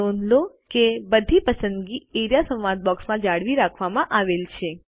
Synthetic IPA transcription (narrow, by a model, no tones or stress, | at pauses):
onlo | kebəd̪ʱipəsənd̪ɡieɾjasə̃wʋad̪̚bɔksmãd͡ʒaɽʋiɾakʰʋamãʔaʋelt͡ʃʰe